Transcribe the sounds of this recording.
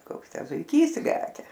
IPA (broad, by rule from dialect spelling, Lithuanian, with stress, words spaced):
ˈkoːks ˈtʲæː zʊɪˈkʲiːs ˈlʲæːkʲɛ